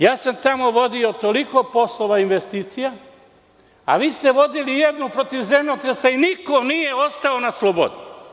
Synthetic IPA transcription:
jaːsamt̪amo̞ʋo̞d̪io̞t̪o̞liko̞po̞slˠo̞ʋainʋe̞st̪iːt̪sija | a̰ʋiːst̪e̞ʋo̞d̪ilijed̪nupɾo̞t̪iʋze̞mnʲot̪ɾesainiko̞nijeo̞st̪aonaslˠobo̰d̪u

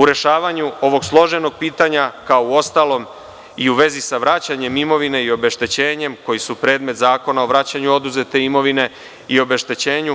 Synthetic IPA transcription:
uɾe̞ʃaːʋaɲuo̞ʋo̞ɡslˠo̞ʒe̞no̞ɡ̚piːt̪aɲakaouo̞st̪alˠo̞m | iuʋe̞zisaʋɾat͡ɕaɲe̞mimo̞ʋine̞io̞be̞ʃt̪et͡ɕeːɲe̞mko̞jisupɾe̞ːd̪me̞t̪zaːko̞naoʋɾat͡ɕaɲuo̞d̪uze̞t̪e̞imo̞ʋine̞ | io̞be̞ʃt̪et͡ɕe̞ːɲu

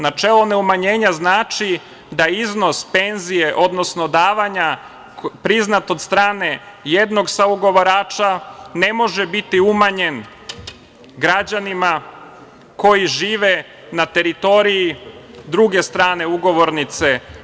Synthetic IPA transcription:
nat͡ʃelˠone̞umaɲe̞ːɲaznaːt͡ʃi | d̪aizno̞spe̞nzije̞ʔo̞d̪no̞snod̪aːʋaɲa | pɾiznat̪od̪st̪ɾaːne̞ | je̞d̪no̞ɡsauɡo̞ʋoɾaːt͡ʃane̞mo̞ʒebit̪iumaɲe̞n | ɡɾad͡ʑanima | ko̞jiʒiːʋe | nat̪e̞ɾit̪o̞ɾijid̪ɾuɡe̞st̪ɾaːne̞uɡo̞ʋo̞ɾnit̪se̞

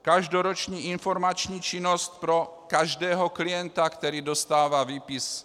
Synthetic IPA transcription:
kaʒdoɾot͡ʃɲiːinfoɾmat͡ʃɲiːt͡ʃinost̪̚pɾo | kaʒdɛːɦoklijɛnt̪akt̪ɛɾiːdost̪aːvaviːpis

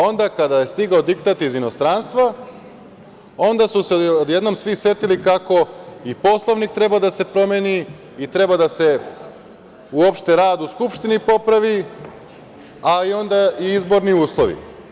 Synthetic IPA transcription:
o̞nd̪akad̪aje̞st̪iɡaod̪ikt̪at̪izino̞st̪ɾanst̪ʋa | o̞nd̪asuseod̪je̞d̪no̞msʋisje̞t̪ilikako̞ipo̞slˠoʋnik̚t̪ɾe̞bad̪ase̞pɾo̞mjeːniː | t̪ɾe̞bad̪ase̞ | uo̞pʃt̪e̞ɾaːd̪uskupʃt̪inipo̞pɾaʋi | aio̞nd̪aiizbo̞ɾniuːslˠo̞ʋḭ

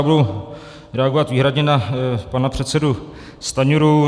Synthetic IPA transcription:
budow | ɾɛaɡovat̪viːɦɾadɲɛnapanapr̝̥ɛt̪sɛdu | st̪aɲuɾu

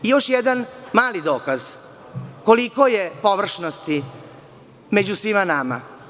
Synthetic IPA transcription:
ijo̞ʃjɛd̪anmaːlid̪oːkaz | kolikojepoʋr̩ʃnost̪i | med͡ʑusʋimanama̰

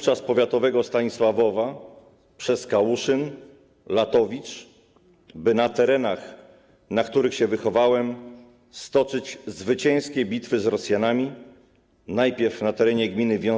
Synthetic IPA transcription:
t͡ʂaspɔvʲjat̪ɔvɛɡɔst̪aɲiswavɔva | pʂɛskawuʂɘn | lat̪ɔvʲit͡ʂ | bɘnat̪ɛɾɛnax | nakt̪uɾɘxɕɛvɘxɔvawɛm | st̪ɔt͡ʂɘd͡ʑzvɘt͡ɕɛ̃j̃skʲɛbʲit̪fɘzɾɔsʲjanamʲi | najpʲjɛɾfnat̪ɛɾɛɲɛɡmʲinɘvʲjɔ̃

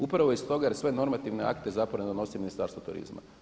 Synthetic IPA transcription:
upɾaʋoist̪o̞ɡajeɾsʋe̞no̞ɾmat̪iʋnea̰kt̪e̞zapɾaʋoned̪o̞no̞siminist̪aɾst̪ʋot̪uɾḭzma̰

